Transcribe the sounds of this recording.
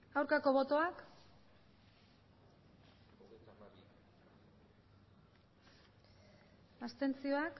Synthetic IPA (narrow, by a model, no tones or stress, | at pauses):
awɾkako̞βo̞t̪o̞ak | ast̪e̞nt͡sio̞ak